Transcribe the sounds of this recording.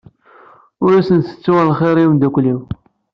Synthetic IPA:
ʊɾæsənsə̥t͡sːuʁalχeɾimd̪ækʷliw

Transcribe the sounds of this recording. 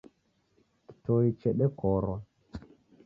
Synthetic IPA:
ki̥toit͡ʃɛɗɛkɔɾɔ

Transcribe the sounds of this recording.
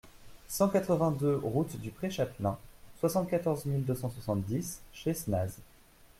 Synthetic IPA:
sɑ̃kat̪χəvɛ̃d̪øʁut̪d̪ypχeʃat̪lɛ̃swasɑ̃t̪̚kat̪ɔʁzmild̪øsɑ̃swasɑ̃t̪d̪isʃesnaz

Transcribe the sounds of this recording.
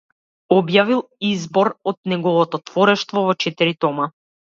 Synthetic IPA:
ɔbjavilˠizbɔɾɔt̪̚nɛɡɔvɔt̪ɔt̪vɔɾɛʃt̪vɔvɔt͡ʃɛt̪iɾit̪ɔma

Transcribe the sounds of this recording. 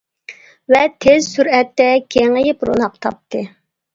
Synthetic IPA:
vɛt̪ʰezsyɾɛt̪ːɛkʲʰeŋəjɪpɾo̰nɑqt̪ʰɑ̰p̚t̪ʰɨ

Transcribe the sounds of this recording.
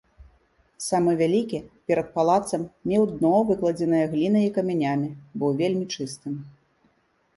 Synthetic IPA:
samɨvʲalʲikʲipʲɛɾɐt̪̚palˠat̪sɐmnʲɛwd̪nɔvɨklˠɐd͡zʲɛnɨjɐɣlʲin̪ɐikɐmʲanʲamʲibɨwvʲelʲmʲit͡ʂɨst̪ɨm

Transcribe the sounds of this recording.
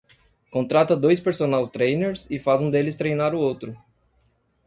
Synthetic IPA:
kõt̪ɾat̪ɐd̪ojspeɾsonawst̪ɾejneɾsɪfazũd̪elɪst̪ɾejnaɾʊowt̪ɾʊ

